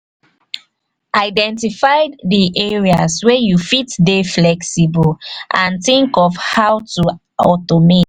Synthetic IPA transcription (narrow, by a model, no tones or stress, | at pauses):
ʔaɪdɛ̃ntifaɪdiʔeɹiaswɛjufitdeflɛksibɔlʔãntĩŋkɔfhawtu | ɔtome